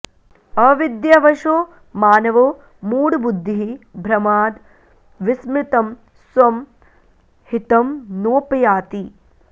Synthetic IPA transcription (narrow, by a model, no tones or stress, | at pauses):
ɐʋid̪jɐʋɐʃoː | maːnɐʋɐ | muːɽbud̪ʱːiɦibʱɾɐmaːd̪ | ʋismɾɪt̪ɐm | swɐm | hit̪ɐmnoːpɐjaːt̪i